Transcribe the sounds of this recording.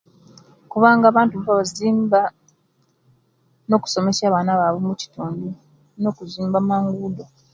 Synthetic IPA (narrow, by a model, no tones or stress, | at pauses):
kuβaːŋɡaːβaːntufaβaziːmba | no̞ːku̥so̞me̞saːβaːnaβaβomuci̥tuːndi | no̞ːkuziːmbamaːŋɡuːdo